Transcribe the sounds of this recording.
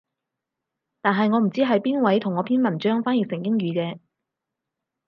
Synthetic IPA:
t̪aː˨nɦɐ˨jŋɔː˨˧m̩˨˩t͡siː˥ɦɐ˨jpiː˥nwɐ˨˥jt̪ʰʊ˨˩ŋːɔː˨˧pʰiː˥nmɐ˨˩nt͡ʃœː˥ŋfaː˥jiː˨˩sɪ˨˩ŋkɪ˥ŋɥyː˨˧kɛː˧

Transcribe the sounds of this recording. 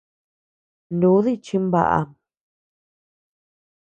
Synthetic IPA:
ndu˨˦ði˦t͡ʃi˧mba̰˧ʔa̰˧

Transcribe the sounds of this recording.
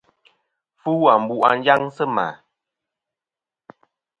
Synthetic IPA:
fu˦a˨m̩˨bu˨ʔa̰˨n˦d͡ʒa˦ŋsə˦ma̰˨

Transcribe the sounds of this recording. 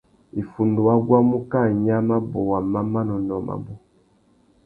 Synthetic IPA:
i˨fu˨ndu˨wa˦ɡwa˦mu˦ka˦˨ɲa˦ma˦bɔ˨wa˨ma˦ma˦nɔ˨nɔ˨ma̰˨bɔ˨

